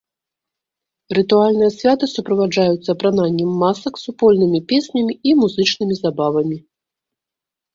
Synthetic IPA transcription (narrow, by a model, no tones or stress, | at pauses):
rɨt̪ualʲnɨjɐsʲvʲat̪ɨsupɾɐvad͡ʐajut̪sːɐpɾananʲːɛmːasɐksupɔlʲnɨmʲipʲesʲnʲɐmʲiimuzɨt͡ʂnɨmʲizabavɐmʲi